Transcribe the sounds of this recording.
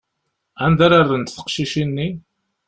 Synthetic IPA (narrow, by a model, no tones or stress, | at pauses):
ænd̪aɾaɾðənt̪θə̥qʃiʃinːi